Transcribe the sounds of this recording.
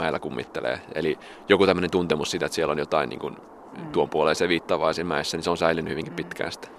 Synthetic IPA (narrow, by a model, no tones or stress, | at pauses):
æelːækumːit̪ːelḛːḛli | jokut̪æmːø̆nent̪unt̪emussiːt̪et̪sielːonjot̪ɑinḭːŋkun | t̪uompuoleseʋiːt̪ːɑːʋɑːsimmæesːæniseonsæilynːyhyʋiŋkippit̪kæ̰ːst̪